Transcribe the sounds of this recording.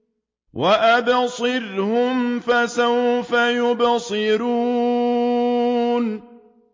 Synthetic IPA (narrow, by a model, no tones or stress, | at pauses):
wʔaʔabsˤɨɾhʊmfasawfajʊbsˤɨɾuː | n